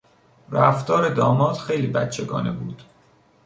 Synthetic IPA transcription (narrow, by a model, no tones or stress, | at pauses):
ræft̪ɒːɾe̞d̪ɒːmɒːt̪xe̞jliːbæt̪t͡ʃʰe̞ɡɒ̰ːne̞buːd̪̥